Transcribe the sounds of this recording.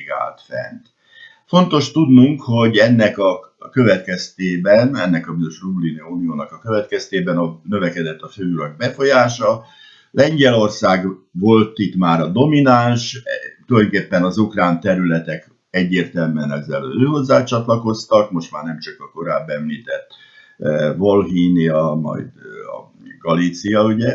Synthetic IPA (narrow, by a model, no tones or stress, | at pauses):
ɡa̰ːlt̪fɛ̰nt̪ | fo̞nt̪o̞ʃt̪ud̪nuŋkho̞ɟɛnːɛkɒ | kø̞vɛt̪̚kɛst̪eːbɛnɛnːɛkɒbizo̞ʃrubliniuːnijoːnɒkɒkøvɛt̪kɛst̪eːbɛnɒnøvɛkɛd̪ɛt̪ːɒføːuɾɒɡ̚bɛfo̞jaːʃɒ | lɛɲɟɛlo̞rsaːɡvo̞lt̪it̪maːɾɒd̪o̞minanʃt̪ulɒjokeːpːɛnɒzukraːnt̪ɛɾylɛt̪ɛk | ɛɟːeːrt̪ɛlmɛnɛzɛløːɦo̞zːaːt͡ʃɒt̪lɒko̞st̪ɒkmo̞ʃt̪maːrnɛmt͡ʃɒkɒko̞ɾaːbːɛmliːt̪ɛt̪ː | vo̞lɦiːniɒmɒ̰jd̪ɒ̰ | ɡ̥ɒliːt̪sijɒuɟɛ